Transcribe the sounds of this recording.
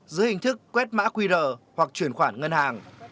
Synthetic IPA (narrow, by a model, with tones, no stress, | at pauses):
zɨ˨˦hï˨˩ŋ̟t̪ʰɨ˦˥kːwɛ˦˥t̚ma̰ː˧˥kwi˧zəː˨˩hwa˨˩k̚t͡ɕwi˧˩ənxwaː˧˩nŋə˧nhaː˨˩ŋ